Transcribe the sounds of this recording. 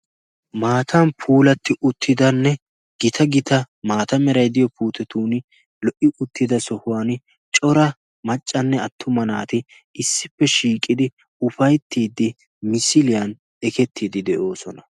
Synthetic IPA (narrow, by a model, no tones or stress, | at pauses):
maːt̪ʰɐnpʰuːlɐt̪ːɪʔʊt̪ʰːɪd̪ɐnːɛ | ɡ̥ɪt̪ʰɐɡɪt̪ɐ | maːt̪ɐmɛɾɐjd̪ɪjɔpuːt̪ɛt̪uːn | lɔʔɪʔʊt̪ːɪd̪ɐsɔhʊwaːn | t͡ʃʼɔɾɐ | mɐt͡ʃʼːɐnːɛɐt̪ːʊmɐna̰ːt̪ɪ | ɪsːɪpːɛʃiːkʼːɪd̪ɪ | ʊfɐjt̪ːiːd̪ːɪ | mɪsɪlɪjɐn | ɛkɛt̪ːiːd̪ɪd̪ɛʔo̞ːsɔnɐ